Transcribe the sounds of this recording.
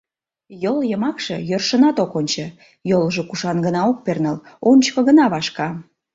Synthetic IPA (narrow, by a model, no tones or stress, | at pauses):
joljəmɑkʃəjørʃənɑt̪okonʲt͡ɕə̆ | jolʒokuʃɑnɡənɑok̚pernəlonʲt͡ɕkə̆ɣənɑβɑʃkɑ